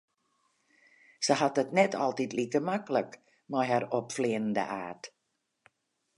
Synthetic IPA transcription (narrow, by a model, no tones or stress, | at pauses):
səɦatətnɛtʰɑlˠtitlikəmaklək | mɔjɦaɾɔpfleːnən̩də̰ʔaːt